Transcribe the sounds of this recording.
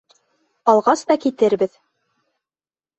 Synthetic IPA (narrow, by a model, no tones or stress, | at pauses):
ɑlˠʁɑst̪ɑkit̪ɘɾbɘð